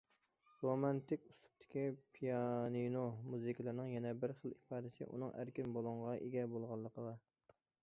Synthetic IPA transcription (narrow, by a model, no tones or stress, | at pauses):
ɾomɑnt̪ɪkʲust̪u̥p̚t̪ʰɪ̥kʲipʰijɑninomuzɨkʲlˠɪɾnɪŋjɛnɛbɪɾχəlˠipʰɑd̪ɪsɪ̰ʔṵnɨŋʔæ̰ɾkʲɪnbolˠɨɴʁɑʔeɡʲɛbolˠʁɑlˠːəqʰəlɑ